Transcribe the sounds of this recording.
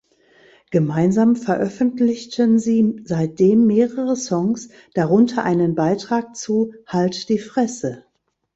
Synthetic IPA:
ɡ̥əmaɪnzaːmfɛɐʔœfn̩tlɪçtənziːzaɪt̚d̥eːmːeːʁəʁəsɔŋs | d̥aʁʊntʰɐʔaɪnənbaɪtʁ̥aːk̚t͡suːhaltd̥iːfʁ̥ɛsə

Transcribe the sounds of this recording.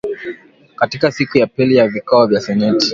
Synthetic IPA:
katikasikujapilijavikɔɔvjasɛnɛti̥

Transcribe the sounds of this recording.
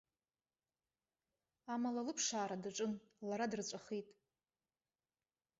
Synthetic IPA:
amalalɨpʰʂaːɾadaʈ͡ʂʼɨnlaɾadrt͡ɕʷʼaχitʼ

